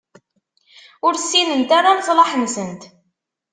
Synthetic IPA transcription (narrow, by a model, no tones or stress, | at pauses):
ʊɾθsːinənt̪aɾanzˤlɑħənsənt̪